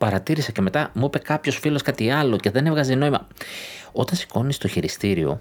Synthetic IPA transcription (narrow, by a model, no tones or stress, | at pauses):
pɐɾɐt̪iɾisɐce̞me̞t̪ɐmuipe̞kɐpço̞sfilo̞skɐt̪iɐlo̞ce̞ðe̞ne̞vɣɐzeno̞imɐ̰ | o̞t̪ɐnsi̥ko̞nist̪o̞çiɾist̪iɾio̞̰